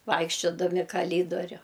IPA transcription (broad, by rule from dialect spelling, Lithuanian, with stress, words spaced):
ˈʋɐɪkʃʲt͡ʃʲoːdɐmʲɪ kɐˈlʲiːdoːrʲʊ